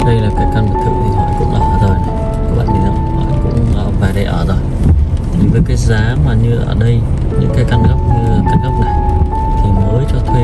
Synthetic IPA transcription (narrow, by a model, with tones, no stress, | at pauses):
ɗə˧jlaː˨˩kaː˨˦jka˧nmə˨˩t̪ʰɨ̰˧˨t̪ʰi˨˩hɔ̰˧˨kʊ̰˧˥ŋ͡mɗa̰˨˦hɔː˧˩zʰɔ˨˩j | ṵ˧˦ɓa̰ː˧˨nmi˨˧˩nzə˧˥wŋ͡mɓa̰ː˧˨nkʊ̰˧˥ŋ͡məː˧˩vaː˨˩jɗə˨˩jʔəː˧˩zo˨˩jt̪ʰi˨˩vəː˨˦jkaː˨˦jzaː˨˦maː˨˩ɲɨ˧ʔəː˧˩ɗə˧j | ɲɨ̰˧˥ŋkaː˨˦jka˧nɣə˦˥wk͡p̚ɲɨ˧˨˩kaː˧nɣə˦˥wk͡p̚na˨˩j | t̪ʰi˨˩məː˨˦jt͡ɕɔ˧t̪ʰwe˧